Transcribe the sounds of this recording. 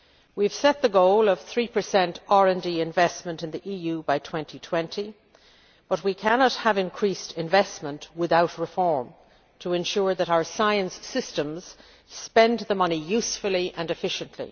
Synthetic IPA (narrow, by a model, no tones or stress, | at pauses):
wiv̥sɛt̪̚ðəɡoʊlˠʌv̥θɹipʰə˞sɛ̃ntɑɹɨ̃ndiɪ̃ɱvɛsmə̃ntɨ̃nðiʔijʉbaɪtʰw̥ɛ̃ntʰitʰw̥ɛ̃ntʰi | b̥ʌt̚wikʰænɑt̚həvɨ̃nkʰɹ̥istʰɪ̃ɱvɛsmə̃nʔwɪθaʊtɹɨfɔɹm | tʰəɨ̃nʃʊɹðəɾaʊə˞saɪɨ̃nsɪstə̃mz̥ | spɛ̃nðəmʌnijʉsfəl̩ˠiʔə̃nɨfɪʃɨ̃nʔʰlḭ